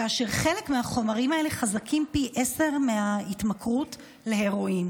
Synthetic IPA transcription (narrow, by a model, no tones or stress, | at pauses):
kaːʃe̞ʁχe̞le̞kmeaχo̞maʁimae̞le̞χazakʰimpiʔe̞se̞ʁmeaitmakʁut | le̞heʁoim